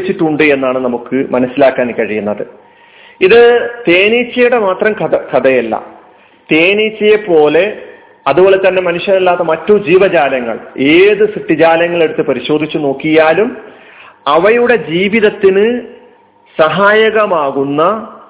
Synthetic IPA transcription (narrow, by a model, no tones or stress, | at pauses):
t͡ɕːiʈːuɳɖɨe̞nːaːɳɨnɐmukːɨmɐnɐsːilaːkːaːnikʲːɐɻijunːɐðɨ̰ | iðɨt̪e̞ːnit͡ɕːɐjuɽe̞maːt̪rɐmkɐkɐd̪ɐjɐlːɐ̰ | t̪e̞ːnit͡ɕːɐjepo̞ːle̞ | ɐðubo̞ːɭle̞t̪ɐnːe̞mɐnuʂjɐnɐlːaːt̪ːɐmɐtːud͡ʑiːʋɐd͡ʑaːlɐŋːɐ̰ɭe̞ːðɨsiʈːid͡ʑaːlɐŋːɐɭe̞ɽut̪ːɨpɐɾiɕo̞ːd̪ʱit͡ɕːuno̞ːkːijaːlum | ɐʋɐjuɽe̞d͡ʑiːʋiðɐt̪ːinɨ | sɐɦaːjɐɣɐmaːɣunːɐ